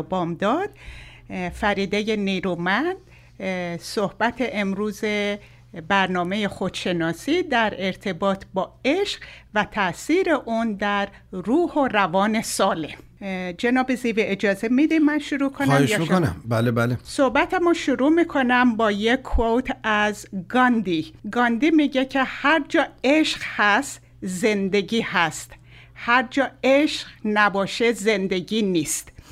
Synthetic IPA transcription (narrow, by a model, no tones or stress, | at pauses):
bɒːmd̪ɒːd̪̥̚ | fæɾiːd̪ejeniːɾumænd̪̥ | sohbæt̪ʰeʔemɾuːze | bæɾnɒːme̞jexo̞d̪̥ʃe̞nɒːsiːd̪æɾe̞ɾt̪ʰe̞bɒːt̪ʰbɒːeʃɢvæt̪ʰæsiːɾe̞ʔund̪æɾ | ruːhoɾævɒːne̞sɒːlem | d͡ʒenɒːbeziːveʔed͡ʒɒːzemid̪immːænʃuɾuːkʰonæhmeʃjmoonæ̰bælebælesohbæt̪ʰæmoʃuɾuːmiːkʰonæmbɒːjekʰːot̪ʰæzɡɒnd̪iːɡɒːnd̪iːmiɟecʰe̞hæɾd͡ʒɒːeʃɢhæst̪ | ze̞nd̪e̞ɟiːhæst̪ | hæɾd͡ʒɒːeʃqnæbɒːʃeze̞nd̪e̞ɟiːniːst̪